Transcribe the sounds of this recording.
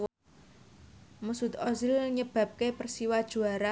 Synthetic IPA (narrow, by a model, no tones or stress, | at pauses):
musut̪ɔzilɲəb̥ä̤p̚kepərsiwad̥ʒ̥ṳaɾa